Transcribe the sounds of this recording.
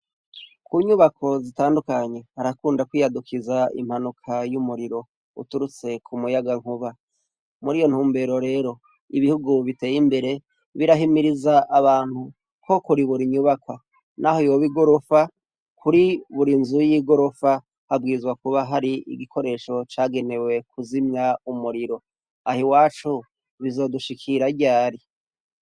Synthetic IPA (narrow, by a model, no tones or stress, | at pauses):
kuɲuβakʰo̞zitaːndukaɲe̞haɾakuːndakwiːjadukʰizaḭmhanukʰajumuɾiɾo̞ | ṵtuɾut͡se̞kʰumujaɡaŋ̥huβa | muɾiːjo̞n̥huːmbe̞ɾoɾe̞ːɾo̞ | iβihuɡuβite̞ːjimbe̞ɾe̞ | βiɾaɦimiɾizaʔːβaːn̥hu | kʰo̞kuɾiβuɾiɲuβakwa | nʔahoijoβiɡo̞ɾo̞fa | kʰuɾiβuɾinzujiɡo̞ɾo̞fa | habɡiːɾizwakuβaɦaɾiḭɡikʰo̞ɾe̞ʃo̞t͡ʃaːɡe̞ne̞we̞kʰuzimɲaumuɾiɾo̞ | ahiwaːt͡ʃu | βizo̞ːduʃikʰiɾaɟaːɾi